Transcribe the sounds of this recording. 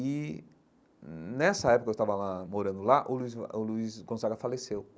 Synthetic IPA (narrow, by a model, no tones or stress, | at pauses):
ɪ | nɛsɐɛpʊkɐewst̪avɐlamoɾɐ̃nd̪ʊlaʔʊluizʊluisɡõsaɡɐfalesew